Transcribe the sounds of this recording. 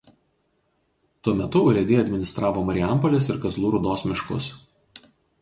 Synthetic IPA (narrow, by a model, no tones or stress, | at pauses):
t̪uɔmʲɛt̪ʊʊɾʲɛd̪ʲeːɐd̪ʲmʲɪnʲɪst̪ɾɑːʋoːmɐɾʲɪæˑmpɔlʲeːsɪɾkɐzlˠuːɾuːd̪oːsmʲɪʃkʊ̰s